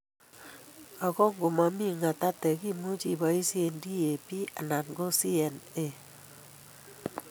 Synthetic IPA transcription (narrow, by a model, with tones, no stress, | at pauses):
a˨ko˦ŋɡo˨ma˨mi˦ŋa˨ta˦tɛ˨ki˦˨mu˦t͡ʃi˦ba˨i˦si˦e˨ndi˦e˨pi˦a̰˨na˨nɡo˦si˦ɛ˨ne˦˨